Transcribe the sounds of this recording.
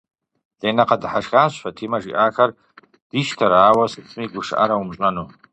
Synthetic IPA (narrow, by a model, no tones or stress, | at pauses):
d̥ajnaqʰadħaʂɣanʃʷħatʰimaʐḭʔakʰar | d̥iʃtʰaɾaːwasɨt͡sʰmiɡʷʊʂa̰ɾaumɕʷʼanu